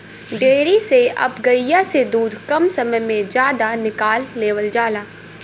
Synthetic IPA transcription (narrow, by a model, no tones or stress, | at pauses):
ɖeːɾiseʔɐ̰bɡɐɪjased̪uːd̪ʱkɐmsɐməjmẽd͡ʒjaːd̪anɪkaːlːeːʋəld͡ʒaːlaː